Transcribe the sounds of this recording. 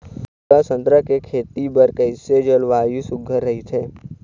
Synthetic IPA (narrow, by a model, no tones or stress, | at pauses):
asə̃nt̪ɾəkekʰeːt̪ibɐɾkəɪsed͡ʒəlʋaːjusʊɡʱəɾːɐɦit̪ʰeː